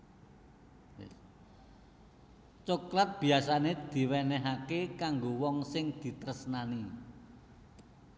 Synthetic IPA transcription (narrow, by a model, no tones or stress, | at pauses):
t͡ʃoklat̪̚b̥i̤asaned̪̥i̤wɛnɛɦakekaŋɡowɔŋsɪŋd̪̥i̤t̪əɾəsnani